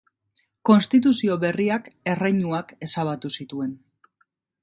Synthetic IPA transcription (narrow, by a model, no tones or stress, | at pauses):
ko̞nst̪it̪̬usio̞βe̞riake̞rejɲuake̞saβ̞at̪usit̪ue̞n